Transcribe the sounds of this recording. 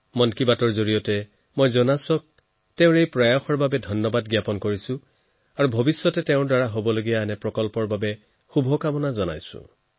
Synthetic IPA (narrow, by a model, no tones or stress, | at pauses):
mɔnkibatɔɹzoɹijɔtɛ | mojzɔnasɔk̚ | tɛʊ̃ɹejpɹɔjaxɔɹbabɛdʱɔnːɔbadɡjapɔnkoɹisʊ̃ | aɹubʱobisːɔtɛtɛʊ̃ɹdwaɹaɦobɔloɡijaɛnɛpɹɔkɔlpɔɹbabɛ | xubʱɔkamɔnazɔna̰jsʊ̰̃